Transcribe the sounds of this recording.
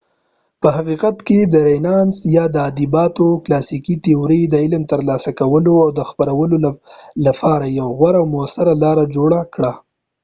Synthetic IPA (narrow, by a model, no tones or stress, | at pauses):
pəɦaqiqat̪ked̪əɾajnɑnsjɑd̪əɑd̪ibɑt̪oklɑsikit̪ioɾid̪əɪlmt̪əɾlɑsakawəloawd̪əxpaɾawəloalapʰɑɾajawɣwaɾawmoasaɾalɑɾad͡ʒoɽakɽa